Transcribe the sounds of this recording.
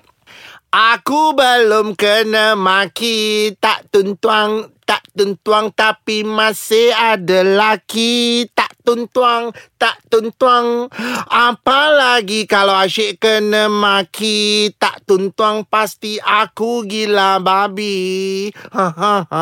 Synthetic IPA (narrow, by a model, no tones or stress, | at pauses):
ʔakubəlomkənəmakit̪aʔt̪unt̪uaŋt̪aʔt̪unt̪uaŋt̪apimãsɪhadalakit̪aʔt̪unt̪uaŋt̪aʔt̪unt̪uaŋapalaɡikalawaʃɛʔkənəmãkʰit̪a̰ʔt̪unt̪uaŋpast̪iʔakuɡilababi | hãã